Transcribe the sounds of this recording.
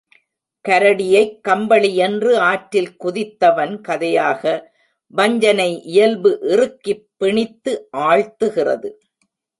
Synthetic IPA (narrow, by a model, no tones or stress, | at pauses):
kɐɾɐɽɪjɐɪkːɐmbɐɭɪjɛndrɯaːʈɾɪlkʊðɪt̪ːɐʋɐnkɐðɐjaːɣɐ | bɐɲd͡ʒɐnɐɪʔɪjɐlbɯʔɪrɯkːɪpːɪɳɪt̪ːɯʔaːɻt̪ːɯɣɪrɐ̰ðɯ